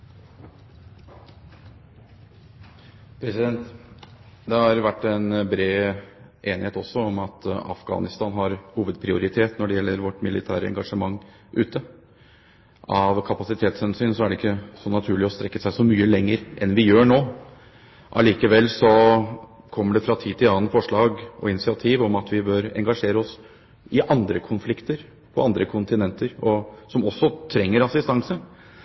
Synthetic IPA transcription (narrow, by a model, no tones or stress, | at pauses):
pʰɾɛsɪd̪ɛnt̪ | d̪ɛhɑɾʋæʈːɛnbɾeː | ʔeːnɪheːt̪ɔsːɔɔmɑt̪ɑ̰fɡɑ̰ːnɪst̪ɑːnɦɑɾhuːʋəd̪̚pʰɾɪʊɾɪt̪ʰeːt̪nɔɖɛjɛlːəɾʋɔʈːmɪlɪt̪ʰæ̰ːɾəɛ̰ŋɡɑʂəmɑŋː | ʔʉːt̪ə | ʔɑʋkʰɑpɑsɪt̪ʰeːt̪shɛnsyːnsɔæɖɛɪkːəsɔnɑt̪ʰʉːɭɪɔst̪ɾɛkːəsæɪsɔmyːəlɛŋːəɾʔɛnʋɪjøːɳoː | ʔɑ̰liːkəʋɛlːsɔ | kʰɔmːəɖɛfɾɑt̪ʰiːt̪ɪlɑːənfɔʂɭɑːɡɔɪnɪsɪɑt̪ʰiːʋɔmɑt̪ʋɪbøːɾɛ̰ŋɡɑʂeːɾəɔs | ɪʔɑnd̪ɾəkʰʊnflɪkt̪əɾ | pʰɔɑnd̪ɾəkʰʊnt̪ɪnɛnt̪əɾɔsɔmɔsːɔt̪ʰɾɛŋːəɾɑsɪst̪ɑŋsə